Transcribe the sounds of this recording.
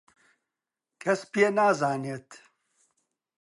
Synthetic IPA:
kʰɛspijenaːzaːnieːt̪

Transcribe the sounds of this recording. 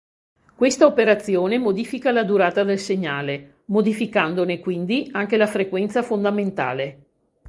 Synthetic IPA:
kwest̪aopeɾat̪sːjoːnemod̪iːfikalad̪uɾaːt̪ad̪elseɲːaːle | mod̪ifikand̪onekwind̪iaŋkelafɾekwɛnt̪safond̪ament̪a̰ːle

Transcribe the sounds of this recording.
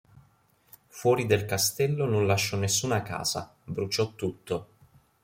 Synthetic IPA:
fwɔːɾid̪elkast̪ɛlːononlaʃːɔnesːuːnaka̰ːz̥a̰ | bɾut͡ʃɔt̪ːut̪ːo

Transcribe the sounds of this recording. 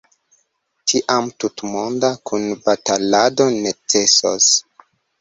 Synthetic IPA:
tʰiʔamtutmo̞ndakʰunbatalado̞ne̞t͡se̞so̰s

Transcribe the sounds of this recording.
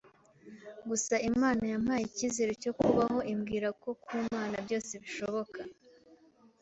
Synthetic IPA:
ɡusaimaːnajam̥haːjiciːzeɾeco̞kuβaɦo̞ʔimɡiːɾako̞kʰwuːmaːnabɟo̞ːse̞βiʃo̞βo̞ka

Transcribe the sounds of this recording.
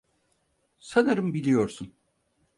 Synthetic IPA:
sanɯɾɯmbilʲijo̞ɾsun

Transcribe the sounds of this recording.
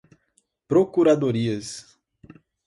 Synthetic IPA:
pɾokuɾad̪oɾiɐs

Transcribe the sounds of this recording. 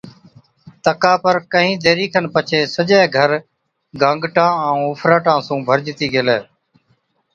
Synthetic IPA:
t̪əkaːpəɾkəɦĩːd̪eːɾiːkʰənpət͡ʃʰeːsəd͡ʒaeɡʱəɾ | ɡə̃ŋɡʈãːə̃ːʊːpʰɾaːʈãːsũːbʱəɾd͡ʒt̪iːɡeleː

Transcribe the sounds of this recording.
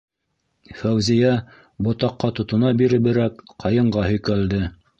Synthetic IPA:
fæwzijæ | bŏt̪ɑqːɑt̪ŏt̪ŏnɑbiɾɘ̆bɘ̆ɾækqɑjɤ̆ɴɢɑhɵ̆jkæld̪ɘ

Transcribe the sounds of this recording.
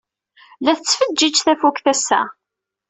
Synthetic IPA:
læθət͡sːfəd͡ʒːid͡ʒθæfukθæsːæ̰

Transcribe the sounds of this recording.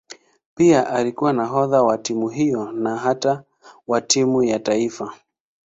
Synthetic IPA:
piaʔalikuwanaɦɔðawatimuɦijɔnaɦata | watimujataifa

